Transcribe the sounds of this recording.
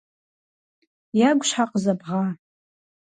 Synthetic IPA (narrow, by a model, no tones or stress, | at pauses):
jaɡʷʃħaqʼzabʁa